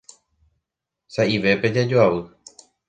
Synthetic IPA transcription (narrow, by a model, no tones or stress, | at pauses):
saʔiʋe̞pe̞d͡ʒad͡ʒoaʋɨ